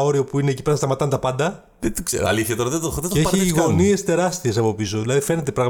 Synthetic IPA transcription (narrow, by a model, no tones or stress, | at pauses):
o̞ɾiopuine̞ːcipɐst̪ɐmɐt̪ɐnt̪ɐpɐnd̪ɐ | ðet̪iksḛɾo̰ɐ̰liθçɐt̪o̞ɾɐðet̪ooðeeeçiɣo̞nie̞st̪e̞ɾɐst̪iesɐpo̞pisoðilɐðife̞ne̞t̪e̞pɾɐɣm